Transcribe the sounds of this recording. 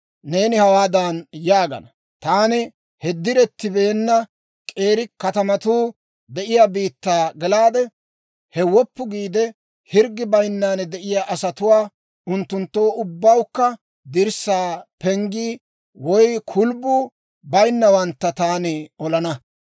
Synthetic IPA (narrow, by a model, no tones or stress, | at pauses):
ne̞ːnɪhɐwaːd̪anjaːɡɐ̰nɐ | t̪aːnɪ | hɛd̪ːɪɾɛt̪ːɪbe̞ːnːɐ | kʼe̞ːɾɪkɐt̪ɐmɐt̪uː | d̪ɛʔɪjaːbiːt̪ːaːɡɛlaːd̪ɛ | hɛwɔpːʊɡiːd̪ɛ | hɪɾɡːɪbɐjnːaːnd̪ɛʔɪjaːʔɐsɐt̪ʊwaː | ʊnt̪ːʊnt̪ːo̞ːʔʊbːɐwkːɐ | d̪ɪɾsaːpɛŋɡiː | wɔjkʰʊlbuː | bɐjnːɐwɐnt̪ːɐt̪aːnɪɔlɐnɐ